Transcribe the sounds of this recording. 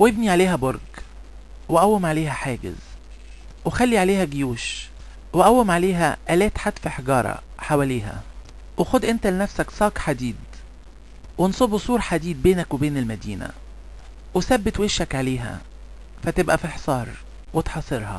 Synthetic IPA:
webniʕaleːɦæboɾˤɡ | weʔæwːemʕaleːhæħaːɡḛz | wexælːiʕaleːhæɡejuːʃ | weʔæwːemʕaleːɦæʔælæːt̪ħad̪fiħeɡɑːɾˤɑ̰ħawæleːɦæ̰ | wexod̪ʔent̪ælenæfsæksˤɑːkħad̪iːd̪ | wensˤobsˤuːɾħad̪iːd̪̚beːnækwebeːnelmæd̪iːnæ̰ | wesæbːet̪weʃːækʕaleːɦæ̰ | fæt̪ebʔæfilħe̥sˤɑːɾˤ | wet̪ħɑsˤeɾhɑ̰

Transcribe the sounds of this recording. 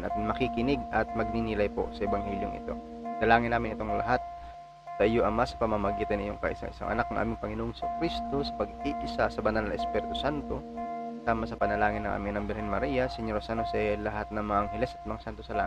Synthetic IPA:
nʔɐ̰t̪mɐkikɪnɪɡʔɐt̪̚mɐɡ̚ninɪlajpo̞̰sɐʔɛbɐŋhɛːljo̰ŋʔɪ̰t̪o̞̰ | nɐlaːŋɪnːaːmɪnʔɪt̪oŋlɐ̰ɦat̪̚ | sɐʔjoʔɐmasɐ̥pɐmɐmɐɡiːt̪ɐnɪ̰joŋkɐ̰ʔɪ̰sa̰ŋʔɪ̰sa̰ŋʔɐ̰nak̚nɐŋʔa̰ːmɪŋpɐŋɪnoʔŋsokɾist̪o̞sɐ̥pɐɡiʔɪsasɐbɐnalnɐŋʔɛspɛːɾɪt̪osant̪o̞saːmɐsɐpɐnɐlaːŋɪnːɐŋa̰ːmɪŋnɐmbɛlhɛnmɐɾiːjɐsɛɲoɾɐsanosɛlɐɦat̪̚nɐŋmɐɐŋhɛlɛsɐt̪̚mɐŋasant̪osɐla̰

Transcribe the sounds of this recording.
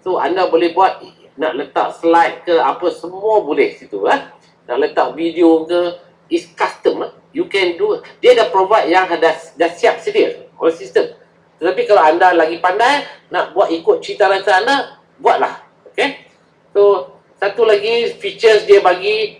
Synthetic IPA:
soa̰ndabolɛhbuat̪̚ | naʔlət̪a̰ʔslajt̪̚kəapəsəmuabolɛhsit̪ṵa | naʔlət̪aʔ̚vidiokə | iskast̪əm | jukɛndudiədapɾovajt̪̚jaŋadadasiap̚sədiəo̰ləsist̪əm | t̪ət̪apikalaandalaɡipandajnaʔbuat̪ikʊt̪̚t͡ʃint̪alansana | buat̪̚lah | oke | so | sat̪ulaɡifit͡ʃəsdiəbaɡi

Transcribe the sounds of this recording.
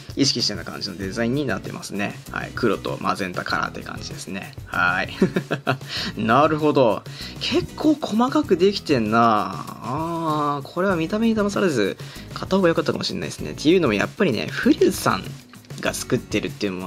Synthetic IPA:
iɕ̬i̥kʲiɕit̪enːakã̰ɲ̟d͡ʑinod̪e̞zaĩɲ̟ːinat̪ːḛmasɨne̞̰ha̰ḭkɯ̟ɾo̞t̪o̞̰mʔa̰zẽ̞nt̪akʰaɾa̰t̪ːejkã̰ɲ̟d͡ʑid̪e̞sɨne̞̰hai | naɾɯ̟ɦo̞d̪o̞kʰe̞kʰːo̞ːkʰo̞makakɯ̟d̪e̞kʲi̥t̪ẽ̞nːaː | kʰo̞ɾe̞β̞amʲit̪ame̞ɲ̟id̪amasaɾezɨkʰat̪ːahoɡajo̞kat̪ːaka̰mo̞ɕḭnːa̰iesɨne̞̰t̪ʰːe̞jɯːno̞mo̞ja̰pːaɾʲine̞̰ɸɯ̟ɾʲɯːsã̰ŋ | ɡat͡sɨ̥kɯ̟t̪ːe̞ɾɯ̟t̪ːeiɯ̟mo

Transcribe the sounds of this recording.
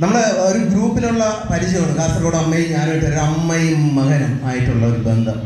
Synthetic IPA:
nɐmːuɽeoɾuɡɾuːpːinuɭːɐpɐɾiɕjɐmɐːɳɖɨkaːst̪ːrɐkoːɽɐmːɐjɲaːnɐiʈːoɾɐmːɐjːɐɣɐnɐmaːjiʈːuɭːɐoɾubend̪ʱɐm

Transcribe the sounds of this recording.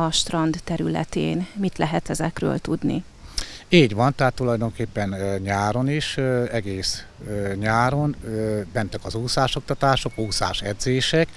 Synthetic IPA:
ɒʃt̪rɒnd̪ːɛɾylɛ̰t̪ḛːnmit̪lɛɦɛt̪ɛzɛkrø̰ːlt̪ud̪nḭ | iːɟʋɒnt̪ɛɦaːt̪ːulɒjd̪o̞ŋkeːpːɛnɲaːɾo̞niʃɛɡeːs | ɲaːɾo̞nøbɛnt̪ɛkɒzuːsaːʃo̞k̚t̪ɒt̪aːʃo̞kuːsa̰ːʃɛ̰d̪zeːʃɛk

